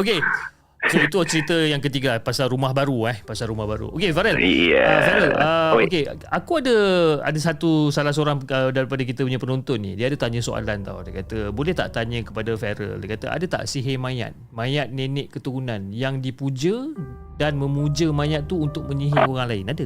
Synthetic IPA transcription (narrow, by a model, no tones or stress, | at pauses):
oke | soit̪ut͡ʃəɾit̪əjaŋkət̪iɡapasalɾumaɦbaɾuɛhpasalɾumahbaɾṵʔo̰kefaɾəl̰əfɛɾələoke | akuadəa̰dasat̪usalahsəoɾaŋədaɾipadək̬it̪əpuɲãpənõnt̪ʊnːḭdiəadat̪aɲə̃soa̰lant̪a̰wdakat̪əbolɛht̪a̰ʔt̪aɲə̃kəpadafɛɾə̰lda̰kat̪ə̰ʔa̰dat̪a̰ʔsiɦemãja̰t̪̚mãjat̪̚nenɪʔkət̪uɾunãnjaŋdipud͡ʒə | danmə̃mud͡ʒəmãjat̪̚ːuunt̪ʊk̚mə̃ɲĩɦioɾaŋlaɪnadə